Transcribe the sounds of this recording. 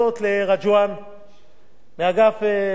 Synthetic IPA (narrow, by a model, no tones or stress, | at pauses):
ot̪leʁad͡ʒuwan | meaɡafe